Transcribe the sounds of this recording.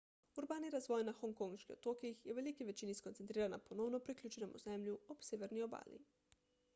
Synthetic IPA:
uɾbaːniɾazʋoːjnaxoŋkoŋʃkiot̪oːkiixjewʋelikiʋet͡ʃiniskont̪ent̪ɾiːɾanaponownopɾiklʲʎʲuːt͡ʃenomṵzɛmʎuobseːʋeɾnioba̰ːlḭ

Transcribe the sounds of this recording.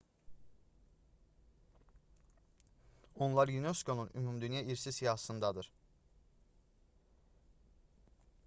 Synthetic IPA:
onlˠaɾjynøskʰo̞nunʔymumd̪ynjaːʔiɾsisijaɦsɯnd̪ad̪ɯɾ̥

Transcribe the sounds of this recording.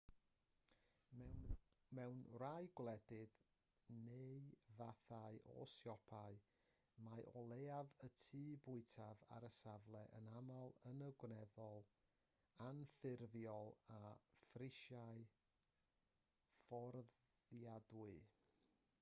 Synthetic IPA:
mɛwnrajɡwlˠɛdɪð | neɨvaθaɨʔɔ̰sjɔpʰaɨ | majʔɔlˠeavətʰiːbʊɨtʰava̰ɾəsavlˠɛʔə̰namalˠənəɡwnɛðɔlˠ | anfɪrvjɔlˠafrɪʃaɨ | fɔrðjadwɨ

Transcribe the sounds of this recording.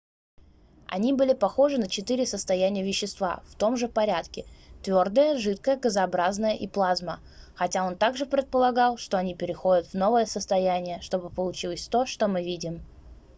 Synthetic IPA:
ɐ̰nʲibɨlʲɪpɐxo̞ʐɨnət͡ɕɪt̪ɨɾʲɪsəst̪ɐjænʲɪjəvʲɪɕːɪst̪va̰ft̪o̞mʐɨpɐɾʲæt̪kʲɪt̪vʲo̞rd̪əjəʐɨt̪kəjəɡəzɐɐbɾaznəjəʔiplˠazmə | xɐtʲao̞nt̪aɡʐɨpɾʲɪt̪̚pəlˠɐɡɑlˠʂt̪oɐnʲipʲɪɾʲɪxo̞dʲət̪vno̞vəjəsəst̪ɐjænʲɪjəʂt̪o̞bɨpəlˠʊt͡ɕilˠəsʲt̪o̞ʂt̪o̞mɨvʲidʲɪm

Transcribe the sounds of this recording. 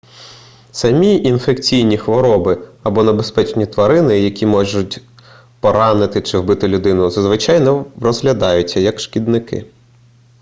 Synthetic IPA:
sɐmʲiʔinfekt͡sʲijnʲixʋɔɾɔbɪɐbɔnebespɛt͡ʃnʲit̪ʋɐɾɪnɪjɐkʲimɔʒʊtʲ | pɔɾɑnɪt̪ɪt͡ʃɪwbɪt̪ɪlʲʊd̪ɪnʊzɐzʋɪt͡ʃɑjnɛrɔzɦlʲɐd̪ɑjʊtʲt͡sʲːɐjɐkʃkʲid̪nɪkɪ̰

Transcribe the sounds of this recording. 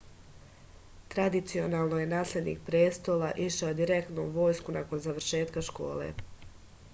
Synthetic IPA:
t̪ɾad̪it̪sio̞naːlˠnoje̞naːslʲe̞d̪nḭk̚pɾeːst̪o̞ːlˠaʔiʃaod̪iɾe̞k̚t̪nouʋo̞ːjskunʔako̞nzaʋɾʃe̞ːt̪kaʃko̞̰ːlḛ

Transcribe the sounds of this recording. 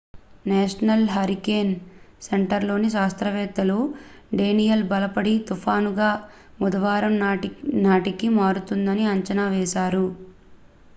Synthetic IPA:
nɛːʂɐnɐlɦɐɾikeːn | seɳʈɐɾlo̞ːniʃ̬aːst̪ɾɐʋɛːt̪ːɐluɖe̞ːnijɐlbɐlɐpɐɽit̪upʰaːnuɡaː | mud̪ɐʋaːɾɐmnaːʈikimaːɾut̪und̪ɐniɐɲt͡ʃɐnaːʋɛːʃaːɾu

